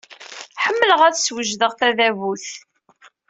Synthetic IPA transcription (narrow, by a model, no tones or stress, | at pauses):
ħəmːələʁæθswəʒðəʁθæðævuθ